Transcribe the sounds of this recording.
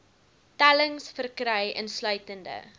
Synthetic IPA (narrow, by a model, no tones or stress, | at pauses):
tæləŋsfərkrɛjʔə̰nslœɥtəndə̰